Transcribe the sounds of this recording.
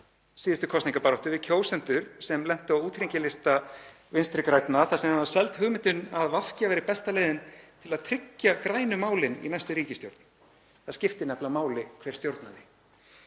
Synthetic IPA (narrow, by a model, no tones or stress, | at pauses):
siːðʏst̪ʏkʰɔst̪niŋkapaɾɔht̪ʏvɪcʰoːwsɛn̥t̪ʏɾ̥sɛmlɛn̥t̪ʏawuːt̪ʰɾiɲcɪlɪst̪a | vɪnst̪ɾɪkɾajt̪naθasɛmhavasɛlt̪hʏɣmɪnt̪ʏnaðval̥cavɛːɾɪpɛst̪alɛːðɪnt̪ʰɪlaðt̪ʰɾɪcːakɾaːjnʏmaːwlɪnḭnajst̪ʏɾiːcɪst̪jowɾt̪n | θaðscɪft̪ɪnɛplamaːwlɪkʰvɛːɾst̪jowɾt̪nanɪ